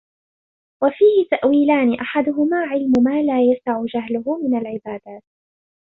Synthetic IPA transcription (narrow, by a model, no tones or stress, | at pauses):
wafiːhɪt̪aʔwiːlaːnɪʔaħad̪ʊɦʊmaːʕɪlmʊmaːlaːjasaʕʊd͡ʒaɦlʊɦʊmɪnalʕɪbaːd̪aːt̪̚